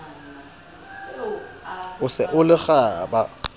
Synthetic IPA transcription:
ʊsɪʔʊlɪɣaːba

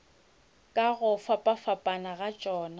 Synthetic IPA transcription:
kʼaɣʊfapʼafapʼanaɣat͡ʃʼɔːna

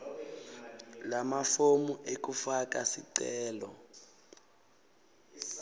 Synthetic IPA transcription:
lamafomuʔek̬ufak̬asḭǀɛːlɔ

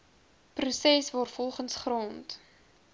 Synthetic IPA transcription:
prusɛsvɑːrfɔlˠχənsχrɑːnt

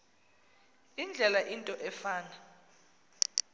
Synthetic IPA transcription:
ind͡ɮʱɛlaʔintʼɔʔɛfaːna

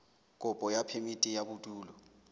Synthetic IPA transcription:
kʼʊpʼɔjapʰemitʼijabutʼuːlɔ

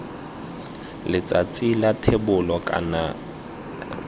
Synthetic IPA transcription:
lɪt͡sʼat͡sʼilatʰebʊlɔkʼa̰na

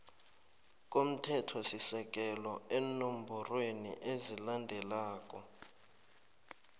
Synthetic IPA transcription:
k̬ʼom̩tʰɛtʰɔsisɛk̬ʼɛlɔenom̩bʱurwenḭʔezilandʱɛlaːk̬ʼɔ

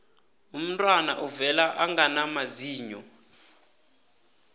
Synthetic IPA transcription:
um̩tʼwana̰ʔuvɛlaʔaŋɡanamaziːɲɔ

